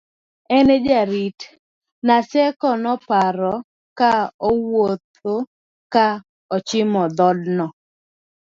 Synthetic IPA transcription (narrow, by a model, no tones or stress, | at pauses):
ɛned͡ʒaɾit | nasɛkɔnɔpaɾɔ | kaɔwot̪̚ | o | ka | ɔt͡ʃɪmɔd̪ɔdnɔ